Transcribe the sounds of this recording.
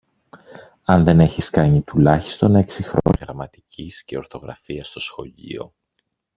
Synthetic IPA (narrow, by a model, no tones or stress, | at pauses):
ɐnðe̞ne̞çiskɐɲit̪ulɐçi̥st̪o̞ne̞ksixɾoɣɾɐmɐt̪i̥cisceo̞ɾθo̞ɣɾɐ̰fiɐst̪o̞sxo̞̰ʎḭo̞̰